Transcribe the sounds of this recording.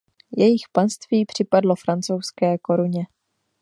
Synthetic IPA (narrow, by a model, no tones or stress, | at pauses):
jɛjɪxpanst̪viːpr̝̥ɪpadlo̞fɾant͡so̞wskɛːko̞ɾuɲɛ